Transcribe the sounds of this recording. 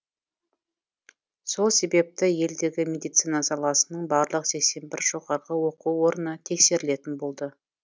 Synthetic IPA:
so̞lˠse̞be̞p̚t̪ɪje̞ld̪e̞ɡʲɪmʲe̞d̪ijt̪sijnɑsɑlˠɑsənəɴbɑɾlˠəqse̞kse̞mbɪɾʒo̞ʁɑɾʁəwo̞quwo̞ɾənət̪ʰe̞kse̞ɾɪle̞t̪ɪnbo̞lˠd̪ə

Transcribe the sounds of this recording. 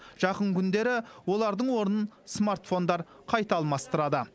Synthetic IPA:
ʒ̥ɑqəɴkʲʰʏnd̪e̞ɾɪwo̞lˠɑɾd̪əɴwo̞ɾənənsmart̪fo̞nd̪ɑɾ | qʰɑjt̪ɑlˠmɑst̪əɾɑd̪ə

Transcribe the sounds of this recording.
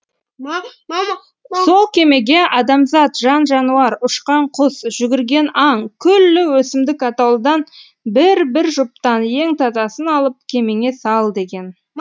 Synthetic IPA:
so̞lˠkʲʰe̞me̞ɡʲe̞ʔɑd̪ɑmzɑt̪ʒɑnʒɑnuɑɾʊʃqɑɴqʰʊsʒ̥ʏɡʲɪɾɡʲe̞nɑɴkʲʰʏlːɪwɵsɪmd̪ɪkɑt̪ɑwlˠd̪ɑn | bɪɾbɪɾʒʊp̚t̪ɑnje̞ŋt̪ʰɑt̪ɑsənɑlˠəp̚kʲʰe̞me̞ŋe̞sɑlˠd̪e̞ɡʲe̞n

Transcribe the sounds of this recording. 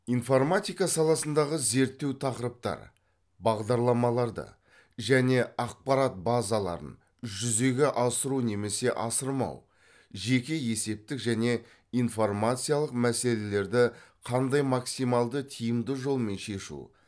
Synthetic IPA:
info̞rmat̪ʲijkɑsɑlˠɑsənd̪ɑʁəze̞ɾt̪ːe̞wt̪ʰɑqəɾəp̚t̪ɑ̰ɾ | bɑʁd̪ɑɾlˠɑmɑlˠɑɾd̪ə̰ | ʒæne̞ɑq̚pɑɾat̪̚bɑzalˠɑ̰ɾə̰n | ʒʏze̞ɡʲe̞ʔɑsəɾune̞me̞se̞ʔɑsəɾmɑ̰w | ʒe̞kʲe̞je̞se̞p̚t̪ɪkʒæne̞ | ijnfo̞rmat̪sɨjalˠəqmæse̞le̞le̞ɾd̪ɪqʰɑnd̪ɑjmɑksijmɑlˠd̪ət̪ʰijəmd̪əʒo̞lˠme̞nʃe̞ʃṵ

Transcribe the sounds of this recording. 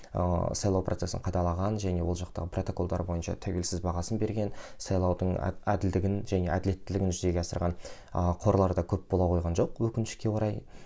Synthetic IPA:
sɑjlˠɑwprot̪se̞sɪ̰ɴqʰɑd̪ɑlˠɑʁɑnʒæne̞wo̞lˠʒɑqt̪ɑ̰ʁəpʰro̞t̪o̞ko̞lˠd̪ɑ̰ɾbo̞jənʃɑ̰t̪ʰæwe̞lsɪzbɑʁɑsənbe̞ɾɡʲe̞nsɑjlˠɑwd̪əɴ̰æd̪ɪld̪ɪɡʲɪnʒæne̞ʔæd̪ɪle̞t̪ːɪlɪɡɪnʒʏze̞ɡʲeɑsəɾʁɑn | əqʰo̞ɾlˠɑɾd̪ɑkʲʰɵp̚bo̞lˠɑqʰojʁɑnʒo̞qwɵkʲɪnɪʃkʲe̞wo̞ɾɑj

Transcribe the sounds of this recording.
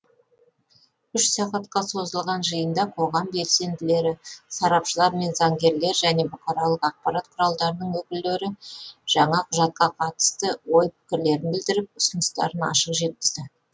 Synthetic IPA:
ʏʃsɑqɑt̪qɑso̞zəlˠʁɑnʒəjənd̪ɑqʰo̞ʁɑmbe̞lse̞nd̪ɪle̞ɾɪsɑɾɑpʃəlˠɑɾme̞nzɑŋɡʲe̞ɾle̞ɾʒæne̞bʊqɑɾɑlˠəqɑq̚pɑɾat̪qʰʊɾɑlˠd̪ɑɾənəɴwɵkʲɪld̪e̞ɾɪʒ̥ɑɴɑqʰʊʒɑt̪̚qɑqʰɑt̪ə̥st̪əwo̞jpʰɪ̥kʲɪɾle̞ɾɪnbɪld̪ɪɾɪp̚ʊsənəst̪ɑ̰ɾənɑ̰ʃəqʒe̞t̪̚kʲɪz̥d̪ɪ

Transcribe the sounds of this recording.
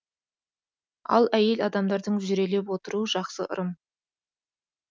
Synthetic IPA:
ɑ̰lˠæje̞lɑd̪ɑmd̪ɑɾd̪əɴʒʏɾe̞le̞pwo̞t̪əɾuəʒɑqsə̰ʔʊ̰ɾəm

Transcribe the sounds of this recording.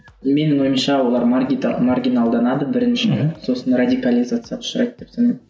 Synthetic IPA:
me̞nɪŋo̞jəmʃɑwo̞lˠɑɾʲmarɡʲinalˠd̪ɑnɑd̪əbɪɾɪnʃɪso̞sənradʲikalʲizat̪sɨjɑʊ̥ʃəɾɑjt̪̚d̪epsɑne

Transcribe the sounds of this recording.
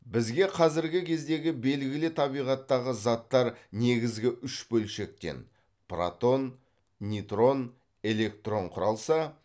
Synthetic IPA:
bɪzɡʲe̞qʰɑzɪɾɡʲɪkʲʰe̞zd̪e̞ɡʲɪbe̞lɡʲɪlɪt̪ʰɑbijʁɑt̪ːɑʁəzɑt̪ːɑɾne̞ɡʲɪzɡʲɪʔʏʃbɵlʃe̞k̚t̪e̞̰n | pra̰t̪o̞nːʲ | it̪ro̞n | e̞le̞k̚t̪ro̞ɴqʰʊɾɑlˠsɑ

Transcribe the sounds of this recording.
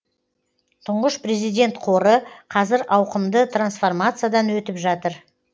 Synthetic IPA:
t̪ʰʊɴʁəʃpre̞zijd̪ʲe̞nt̪qʰo̞ɾəqʰɑzɪɾɑwqəmd̪ət̪ʰransfo̞rmat̪sɨjad̪ɑnwɵt̪ɪpʒɑt̪əɾ

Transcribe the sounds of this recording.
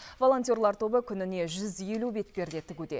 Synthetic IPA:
vo̞lˠo̞nt̪ʲjo̞rlˠɑɾt̪ʰo̞bəkʲʰʏnɪne̞ʒʏzje̞lube̞t̪̚pe̞ɾd̪e̞t̪ʰɪɡʲud̪e̞̰

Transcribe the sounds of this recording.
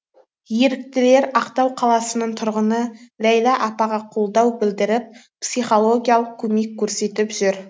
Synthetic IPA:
je̞ɾɪk̚t̪ɪle̞ɾɑqt̪ɑwqʰɑlˠɑsənəɴt̪ʰʊɾʁənəlæjlɑʔɑpɑʁɑqʰo̞lˠd̪ɑwbɪld̪ɪɾɪp̚ | psijχo̞lˠo̞ɡʲijalˠəq̚kʲʰɵme̞kʲʰːɵɾse̞t̪ɪpʒʏɾ

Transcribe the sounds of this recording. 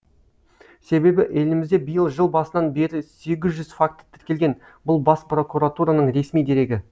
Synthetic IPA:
se̞be̞bɪʔe̞lɪmɪzd̪e̞bijəlˠʒəlˠbɑsənɑnbe̞ɾɪse̞ɡʲɪzʒʏzfak̚t̪ːə̥t̪ʰɪ̥ɾkʲe̞lɡʲe̞n | bʊlˠbɑspro̞kuɾat̪uɾanəɴɾe̞smijd̪e̞ɾe̞ɡʲɪ

